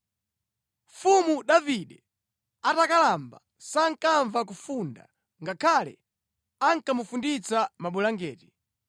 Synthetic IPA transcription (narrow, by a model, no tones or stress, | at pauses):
fumuɗaviɗɛ | atakalamba̰ | saŋ̩kaɱvak̬ufunda̰ | ŋɡakʰalɛ̰ | aŋkamufundit͡samaɓulaŋɡɛːti̥